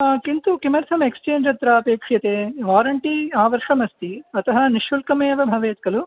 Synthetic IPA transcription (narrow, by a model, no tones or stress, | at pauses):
kint̪ukimɐɾt̪ʰɐmekst͡ʃeːɲd͡ʒɐt̪ɾaːɐpeːkʂjɐt̪eːʋaːɾɐɳʈiaːʋɐɾʂɐmɐst̪iɐt̪ɐɦɐ̆niʃulkɐmeːʋɐbʱɐʋeːt̪̚kɐlu